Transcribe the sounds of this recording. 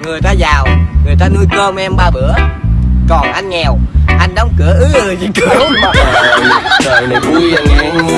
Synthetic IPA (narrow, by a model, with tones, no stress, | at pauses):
ŋɨ˨˩əjt̪aː˧zaː˨˩wŋɨ˨˩əjt̪aː˧nu˧jkəː˧mʔɛ˧mɓaː˧ɓɨ˧˥əkɔ˨˩nʔa˧jŋ̟ŋɛ˨˩wʔa˧jŋ̟ɗə˨˦wŋ͡mkɨ˧˩˦əʔɨ˨˦ʔɨ˨˩zi˧˩kɨ˧˩˦wɗəː˧˨˩jɗə˨˩ku˧˦˧ə˧˨˩